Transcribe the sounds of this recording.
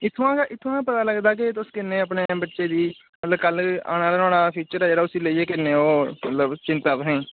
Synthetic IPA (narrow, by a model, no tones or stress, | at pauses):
ɪt̪ʰːãːkːʔɪt̪ʰːãːpət̪aːləɡd̪aːk̬ɪt̪ʊskɪnːeːəpneːbəʈːʃeːd̪iː | mət̪ləbkəla̰ːñaːlənõːɽaːpʰiːt͡ʃəɾɛːd͡ʒeːɽaːʊsiːləiːeːkɪnːeːoːmət̪ləbt͡ʃɪ̃nt̪aːpɦẽː